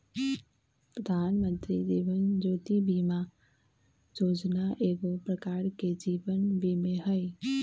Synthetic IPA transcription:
pɾəd̪ʱaːnmə̃nt̪ɾid̪iːʋənd͡ʒoːt̪ibima | d͡ʒoːd͡ʒnaʔeːɡopɾəkaːɾked͡ʒiːʋənbimẽɦəɪ

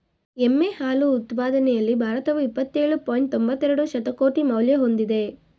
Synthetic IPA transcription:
emːehaːluːt̪paːd̪ɐnɛjɐlːibʱaːɾɐt̪ɐʋuipːɐt̪ːeːɭupoːjiɳʈombɐt̪ːɛɾɐɽuʃɐt̪ɐko̞ːʈimɐwljɐɦo̞nd̪id̪e̞

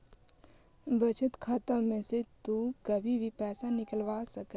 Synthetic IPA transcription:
bət͡ʃət̪kʰaːt̪amẽset̪ukəbʱibʱipɛːsanɪkəlʋaːsɐke

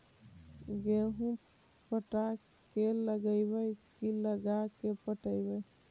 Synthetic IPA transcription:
ɡeɦũ | pəʈa | keləɡəɪbəjkiləɡakepəʈəɪbəj

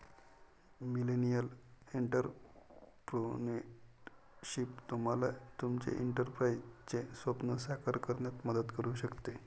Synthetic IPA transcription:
milenijəleɳʈəɾ | pɾoneʈ | ɕipt̪um̤alat̪umt͡ɕḛʔiɳʈəɾpɾait͡ɕesʋəpnəsakaɾkəɾɳjat̪məd̪ət̪kəɾuːɕəkt̪e

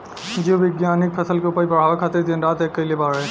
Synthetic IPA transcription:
d͡ʒoʋɪɡjaːnɪk̚pʰɐsəlkeʊpaːibɐɽ̤aːʋakʰaːt̪ɪɾd̪ẽnɾaːt̪eːkːəliebaɾɦɛ

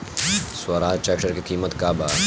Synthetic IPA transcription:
sʊaːɾaːt͡ʃɛːkʈəɾkʰikiːmət̪kaːbaː

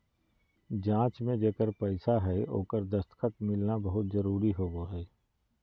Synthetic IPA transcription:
d͡ʒãːt͡ʃmẽd͡ʒeːkəɾpəɪsaɦɛo̰ːkəɾd̪əst̪kʰət̪̚mɪlnabəɦʊt̪zəɾuːɾiɦoːɡoɦɛː

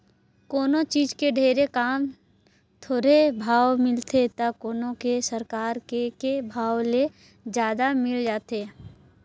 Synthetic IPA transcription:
koːnõt͡ʃiːd͡ʒkeɖʱeːɾekaːm | t̪ʰoːɾebʱaːwmɪlt̪ʰet̪akoːnõkesəɾkaːɾkekebʱaːwle | d͡ʒjaːd̪amɪld͡ʒaːt̪eː

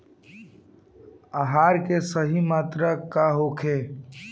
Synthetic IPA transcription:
aɦaːɾkesəɦimaːt̪ɾəkaɦokʰe

